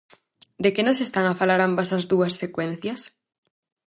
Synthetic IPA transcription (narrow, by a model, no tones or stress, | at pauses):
d̪ekenõsest̪aŋafalaɾambasazðuɐsːekwen̟θjɐs